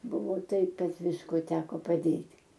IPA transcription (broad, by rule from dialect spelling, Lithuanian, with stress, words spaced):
ˈbʊʋoː ˈtɐɪp ˈkɐt ˈʋʲɪskoː ˈtʲæːkoː pɐˈdʲeːtʲ